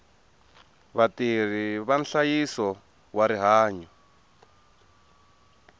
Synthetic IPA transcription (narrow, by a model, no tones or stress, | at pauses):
βatir̤iβanɬajisɔ | waɾiɦaːɲɔ